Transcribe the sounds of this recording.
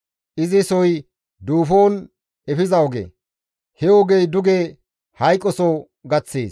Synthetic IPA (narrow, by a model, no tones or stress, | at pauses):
ʔɪzɪsɔj | d̪uːfoːn | ɛfɪzɐɔɡḛ | hɛwɔɡejd̪ʊɡe | hɐjkʼːɔso | ɡɐt͡sːḛːs